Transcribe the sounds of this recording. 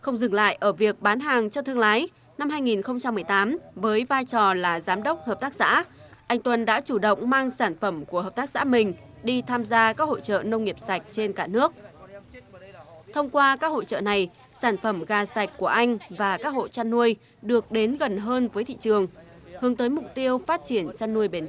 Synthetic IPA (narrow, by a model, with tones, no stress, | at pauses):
xə˧wŋ͡mzɨ˨˩ŋla̰ː˧˨jʔəː˧˩vi˨˩ək̚ɓaː˨˦nɦaː˨˩ŋt͡ɕɔ˧t̪ʰɨ˧əŋlaː˨˦j | na˧mɦaː˧jŋi˨˩nxə˧wŋ͡mt͡ɕa˧mːɨ˨˩əjt̪aː˨˦mvəː˨˦jvaː˧jt͡ɕɔ˨˩laː˨˩zaː˨˦mɗə˦˥wk͡p̚həː˨˩p̚t̪aː˦˥k̚sa̰ː˧˥ʔa˧jŋ̟t̪wə˨˩nɗa̰ː˧˥t͡ɕu˧˩ɗə̰˧˨wŋ͡mmaː˧ŋsaː˧˩nfə˧˩mku˧˩əɦəː˨˩p̚t̪aː˦˥k̚sa̰ː˧˥mï˨˩ŋ̟ | ɗi˧t̪ʰaː˧mzaː˧kaː˦˥k̚ho̰˧˨t͡ɕə̰ː˧˨nə˧wŋ͡mŋi˨˩əp̚sa˨˩jk̟̚t͡ɕe˧nkaː˧˩nɨ˦˥ək̚ | t̪ʰə˧wŋ͡mkwaː˧kaː˦˥k̚ho̰˧˨t͡ɕə̰ː˧˨na˨˩j | saː˧˩nfə˧˩mɣaː˨˩sa˨˩jk̟̚ku˧˩əʔa˧jŋ̟vaː˨˩kaː˦˥k̚ho̰˧˨t͡ɕa˧nːu˧əj | ɗɨ˨˩ək̚ɗe˨˦nɣə˨˩nɦəː˧nvəː˨˦jt̪ʰḭ˧˨t͡ɕɨ˨˩əŋhɨ˨˦əŋt̪əː˨˦jmʊ˨˩k͡p̚t̪i˧əwfaː˦˥t̚t͡ɕi˧˩ənt͡ɕa˧nːu˧əjɓe˨˩n